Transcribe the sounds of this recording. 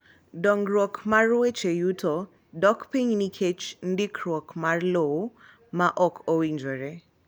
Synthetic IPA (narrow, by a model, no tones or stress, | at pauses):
dɔŋɾwɔkʰmarwet͡ʃejutʰo | dɔkpiɲnikʰet͡ʃndikʰɾwɔkmarlowo | maʔɔkʰowiɲd͡ʒoɾe